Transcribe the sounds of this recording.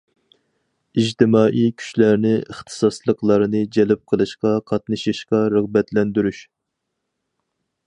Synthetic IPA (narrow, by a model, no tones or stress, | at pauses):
iʒt̪ɨmɑːʔijkʲʰy̥ʃlæɾnɪəχt̪ʰɨ̥sɑslˠəqlˠɑɾɨnɨd͡ʒɛlp̚qʰəlˠɨʃqɑqʰɑt̪nɨʃɨʃqɑɾəʁbɛt̪lɛnd̪yɾyʃ